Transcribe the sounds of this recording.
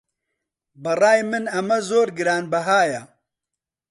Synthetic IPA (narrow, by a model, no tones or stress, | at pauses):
bɨrɑːjmɨnɐmɐzoːɾɡɨɾaːnbɐɦaːjɐ